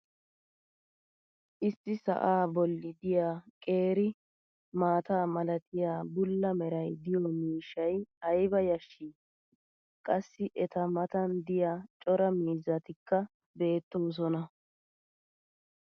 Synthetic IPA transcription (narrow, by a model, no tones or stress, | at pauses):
ʔɪst̪ːɪsɐ̰ʔaːbɔlːɪd̪ɪjaːkʼe̞ːɾɪ | maːt̪aːmɐlɐt̪ʰɪjaːbʊlːɐmɛɾɐjd̪ɪjɔmiːʃɐjɐjbɐjɐʃːiː | kʼɐsːɪʔɛt̪ɐmɐt̪ɐnd̪ɪjaːt͡ʃʼɔɾɐmiːzɐt̪ɪkːɐ | be̞ːt̪ːoːs̬ɔnɐ